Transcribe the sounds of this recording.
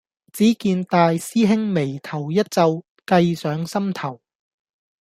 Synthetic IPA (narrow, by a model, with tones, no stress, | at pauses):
t͡siː˨˥kiː˧nt̪aː˧jsiː˥ɦɪ˥ŋme˨˩jt̪ʰɐ˨˩wjɐ˥t̚t͡sɐ˧w | kɐ˧jsœː˨˥ŋsɐ˥mt̪ʰɐ˨˩w